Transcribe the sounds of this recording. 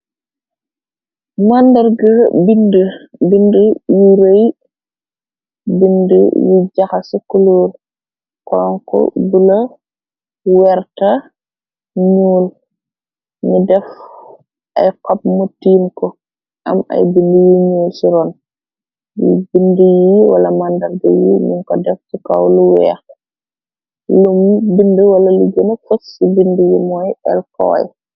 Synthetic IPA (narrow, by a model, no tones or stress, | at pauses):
mandɐɾɡəbindəbindəjiɾoj | bində̰jiɟaxasikuluːɾ | kɔɔŋkɔ̰bulɐ | wɛɾta | ɲuːl | nidɛf | ʔa̰jkɔp̚mɔtiːmkɔ | ʔama̰jbindəjiɲuːlsiɾɔn | ibindəjiwa̰lamandaɾɡɛwimuŋkɔdɛfsikawluwɛ̰ːx | lumbindəwalalud͡ʒonafosːibindijimɔjɛ̰lkɔ̰ːj̰